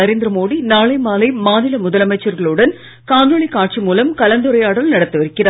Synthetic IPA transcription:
ɐɾeːnd̪ɾɐmoːɽinaːɭɐɪmaːlɐɪmaːnɪlɐmʊðɐlɐmɐɪt͡ʃːɐɾɣɐɭɯɽɐn | kaːndɐɭikaːʈ̚t͡ʃimuːlɐmkɐlɐnd̪ɯɾɐjaːɽɐlnɐɽɐt̪ːɯʋɐɾɯkːɪraː

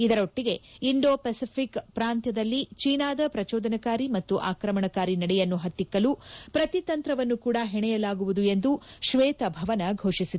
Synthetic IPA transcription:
id̪ɐɾo̞ʈːiɡe̞iɳɖoːpɐsipʰikpɾaːnt̪jɐd̪ɐlːit͡ʃiːnaːd̪ɐpɾɐt͡ʃɔːd̪ɐnɐkaːɾimɐt̪ːuʔaːkɾɐmɐɳɐkaːɾinɐɽɛjɐnːuɦɐt̪ːikːɐlupɾɐt̪it̪ɐnt̪ɾɐʋɐnːukuːɽɐɦɛɳɛjɐlaːɡuʋud̪ue̞nd̪uʃʋeːt̪ɐbʱɐʋɐnɐɡʱo̞ːʂisi

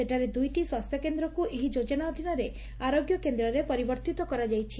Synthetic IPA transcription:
seʈaɾed̪ujʈiswast̪ʰjɔkend̪ɾɔkuʔeɦid͡ʒod͡ʒɔnaɔd̪ʱinɔɾe | aɾoɡjɔkend̪ɾɔɾepɔɾibɔɾt̪it̪ɔkɔɾad͡ʒajt͡ʃʰi

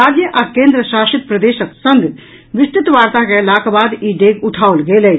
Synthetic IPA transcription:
aːd͡ʒjəʔakẽːnd̪ɾəʃaːʃit̪̚pɾɐd̪eːʃəksɐnd̪ | ʋɪst̪ɪt̪ʋaːɾt̪akelaːkbaːd̪iːɖeːɡʊʈʰaːolɡeːleː

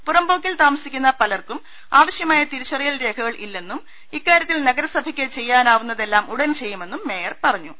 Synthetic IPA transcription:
purɐmbo̞ːkːilt̪aːmɐsikʲːunːɐpɐlɐrkum | aːʋɐɕjɐmaːjɐt̪iɾiɕɐrijɐlɾe̞ːkʰɐɣɐɭʔilːe̞nːum | ikːaːɾjɐt̪ːilnɐɡɐɾɐsɐbʱɐkʲːet͡ɕe̞jːaːnaːʋunːɐðe̞lːaːmuɽɐnt͡ɕe̞jːume̞nːumːe̞ːjɐrpɐrɐɲːu

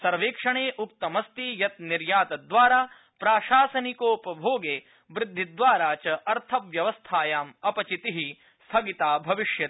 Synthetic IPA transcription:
sɐɾʋeːkʂɐɳeːʔuk̚t̪ɐmɐst̪ijɐt̪niɾjaːt̪ɐd̪ʋaːɾaː | pɾaːʃaːsɐnikoːpɐbʱoːɡeː | ʋɾɪd̪ʱːid̪ʋaːɾaːt͡ʃɐʔɐɾt̪ʰɐʋʋjɐʋɐst̪ʰaːjaːmɐpɐt͡ʃit̪iɦi | st̪ʰɐɡit̪aːbʱɐʋiʂjɐt̪

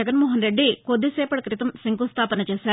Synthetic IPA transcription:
ɐɡɐnmoːɦɐnɾe̞ɖːikod̪ːiseːpɐɽɐkɾit̪ɐmsiŋkust̪ʰaːpɐnɐt͡ʃeːsaː

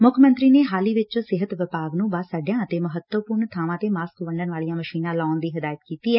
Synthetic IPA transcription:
mʊkʰmə̃nt̪ɾiːneːɦaːliːʋɪt͡ʃsɪɦət̪ʋɪpaːɡnũːbaːsaːɖjãːət̪eːməɦət̪əpʊɾɳt̪ʰaːʋãːt̪eːmaːskʋəɳɖənʋaːlijãːməʃiːnãːlaːnd̪iːɦɪd̪aːjət̪kiːt̪iːɛː

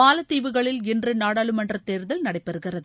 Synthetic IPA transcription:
aːlɐt̪ːiːʋɯɣɐɭɪlɛndrɯnaːɽaːɭɯmɐndrɐt̪ːeːɾɯðɐlnɐɽɐɪpːɛɾɯɣɪrɐðɯ

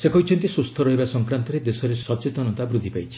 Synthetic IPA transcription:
sekɔɦit͡ʃʰɔnt̪isust̪ʰɔɾɔɦibasɔŋkɾant̪ɔɾed̪esɔɾesɔt͡ʃet̪ɔnɔnt̪abɾud̪ʱipajt͡ʃʰi̥

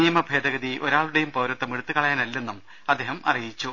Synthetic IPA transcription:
ijɐmɐbʱeːd̪ɐɣɐðiʔo̞ɾaːɭuɽejumpɐwɾɐt̪ːɐmiɽut̪ːɨkɐɭɐjaːnɐlːe̞nːum | ɐd̪ːeːɦɐmʔɐ̰rijit͡ɕːu

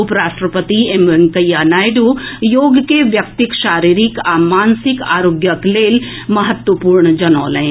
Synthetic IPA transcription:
ʊpɾaːʃʈɾəpət̪ieməŋkəjːanaːjɖujoːɡkeʋjɐk̚t̪ɪkʃaːɾiːɾɪkaːmaːnsɪkaːɾoːɡjəkleːl | mɐɦət̪wəpuːɾɳəd͡ʒɐnɔ̰ːləẽ

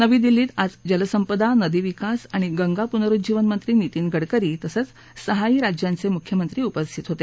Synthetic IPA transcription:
nəʋiːd̪ilːiːt̪ad͡zd͡ʑələsəmpəd̪anəd̪iʋikasaɽ̃iɡəŋɡapunəɾut̪̚d͡ʑiʋənmənt̪ɾiːnit̪iːnɡʱəɽkəɾiːt̪əsət͡s | səɦaiɾad͡ʑjãnt͡semukʰjəmənt̪ɾiːupəst̪ʰit̪ɦot̪e

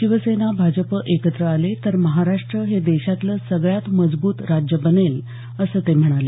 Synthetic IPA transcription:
ɕiʋəsenabʱad͡ʑəpəʔekət̪ɾəalet̪əɾməɦaɾaʂʈɾəɦed̪eɕat̪ləːsəɡɭjat̪məd͡zbuːt̪ɾad͡ʑjəbənel | əsəːt̪em̤əɽ̃ale

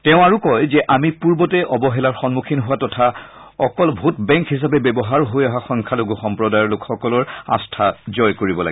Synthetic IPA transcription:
tɛʊ̃aɹukɔjzɛʔamipuɹbɔtɛʔɔbɔɦɛlaɹxɔnmukʰinɦʊwatɔtʰa | ɔkɔlbʱutbɛ̃ŋkɦis̬apɛbɛbɔɦaɹɦojaɦaxɔŋkʰaloɡuxɔmpɹɔdajɔɹlokxɔkɔlɔɹa̰stʰazɔjkoɹibɔla̰ɡ

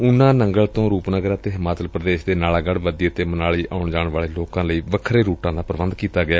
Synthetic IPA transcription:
ʊnãːnəŋɡəlt̪õːɾuːpnəɡəɾaːt̪eːɦɪmaːt͡ʃəlpɾəd̪eːʃd̪eːnaːlaːɡəɽʋəd̪ieːt̪eːmənaːliːʔaːʊɳd͡ʒaːɳʋaːɭeːloːkãːləiːʋəkʰɾeːɾuːʈãːd̪aːpəɾʋə̃nd̪kiːt̪aːɡɪaː

